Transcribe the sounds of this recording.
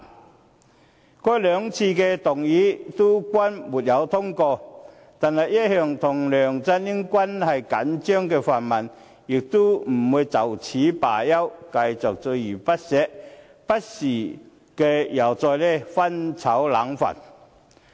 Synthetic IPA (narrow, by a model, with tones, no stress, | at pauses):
kɔː˥jlœː˨˧ŋt͡sʰiː˧kɛ˧t̪ʊ˨˩ŋjiː˨˥t̪u˥kwɐ˥nmu˨˩t̚jɐ˨˧wt̪ʰʊ˥ŋkɔː˧ | t̪aː˨nhɐ˨˩jjɐ˥t̚hœː˨ŋt̪ʰʊ˨˩ŋlœː˨˩ŋt͡sɐ˧˥ni˥ŋkʷwɐ˥nhɐ˨jkɐ˨˥nt͡ʃœː˥ŋkɛː˧faː˨˩nmɐ˨˩n | jɪ˨k̚t̪u˥m̩˨˩wuː˨˧jt͡sɐ˨˩wt͡sʰiː˨˥paː˨˩jɐ˥wkɐ˧jt͡sʊ˨k̚t͡sɵ˧jyː˨˩pɐ˥t̚sɛː˨˥ʔ̚ | pɐ˥t̚siː˨˩ | kɛ˧jɐ˨˩wt͡sɔː˧jlɛ˥˩fɐ˥nt͡sʰɐ˨˥wla̰ː˨˥ŋfa̰˨˩n